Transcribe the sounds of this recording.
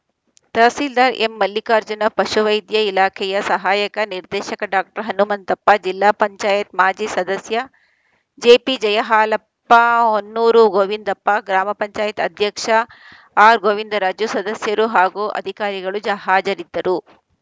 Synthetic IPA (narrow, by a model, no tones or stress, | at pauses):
t̪ɐːsild̪aːɾḛmːɐlːikaːɾd͡ʒɐnɐpɐʃuʋɐjd̪jɐilaːkʰɛjɐsɐɦaːjɐkɐniɾd̪ɛːʃɐkɐɖaːk̚ʈɐɾɦɐnumɐnt̪ɐpːɐd͡ʒilːaːpɐɲt͡ʃaːjɐt̪maːd͡ʒisɐd̪ɐsjɐ | d͡ʒeːpid͡ʒɐjɐɦaːlɐpːaonːuːɾuɡoʋind̪ɐpːaɡɾaːmɐpɐɲt͡ʃaːjɐt̪ɐ̰d̪ʱjɐkʂɐ | aːɾɡoːʋind̪ɐɾaːd͡ʒjusɐd̪ɐsjɐɾuɦaːɡuʔɐ̰d̪ʱikaːɾiɡɐɭud͡ʒɐɦaːd͡ʒɐɾid̪ːɐɾu